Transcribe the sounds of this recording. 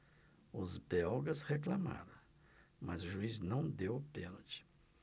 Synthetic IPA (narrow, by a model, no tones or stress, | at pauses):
ʊzbɛwɡɐsheklama̰ɾɐ̃w̃ | mɐ̰zʊʒuiznɐ̃w̃d̪ewpẽnot͡ʃi̥